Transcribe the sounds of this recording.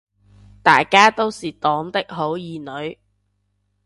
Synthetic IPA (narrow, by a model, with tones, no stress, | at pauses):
t̪aː˨jkaː˥t̪o˥wsiː˨t̪ɔː˨˥ŋt̪ɪ˥k̚ɦo˨˥wjiː˨˧nɵ˨˧ɥ